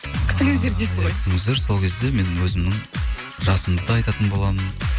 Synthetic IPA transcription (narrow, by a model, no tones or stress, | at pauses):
kʲʰʏ̥t̪ɪŋɪzd̪eɾd̪esɪt̪ɪŋɪzd̪eɾso̞lˠkʲʰe̞zd̪e̞me̞nɪwɵzɪmnɪŋ | ʒɑsəmd̪əd̪ɑɑjt̪ɑt̪ənbolˠɑmən